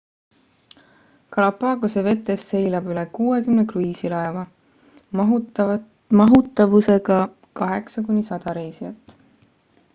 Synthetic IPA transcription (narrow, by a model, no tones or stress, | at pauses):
kɑlɑpːɑːɡoseve̞t̪ːˑe̞sːe̞jlɑbylekuːe̞kymnekruiːsilɑe̞vɑ | mɑɦut̪ːˑɑvuse̞ɡ̥ɑ | kɑɦe̞ksɑkunʲːisɑd̪̥ɑɾe̞jsiɑt̪ːˑ